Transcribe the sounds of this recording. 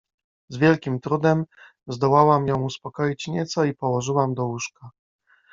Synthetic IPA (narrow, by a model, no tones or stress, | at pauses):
zvʲjɛlkʲimt̪ɾud̪ɛm | zd̪ɔwawamjɔ̃w̃uspɔkɔjit͡ɕɲɛt̪sɔipɔwɔʐɘwamd̪ɔuʂka